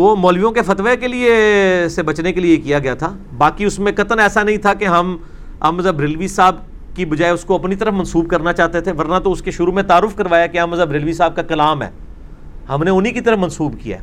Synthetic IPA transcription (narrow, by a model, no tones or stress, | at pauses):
oːmɔːlʋijõkefɐt̪ʋekeliesebɐt͡ʃnekeliekijaɡɐjat̪ʰaː | baːkiʊsmẽkɐt̪ənɛːsanɐɦĩt̪ʰakeɦɐm | a̰ːmzəbɾɪlʋisaːb | kibɐd͡ʒaːeʊskoɐpnit̪ɐɾəfmɐnsuːb̚kɐɾnat͡ʃaːt̪et̪ʰeʋɐɾnat̪oʊskeʃʊɾumẽt̪aːɾʊfkɐɾʋaːjakeaːməzəbɾɪlʋisaːb̚kakɐlaːmɦɛ̰ː | hɐmneʊnɦikit̪ɐɾəfmɐnsuːbkija̰ː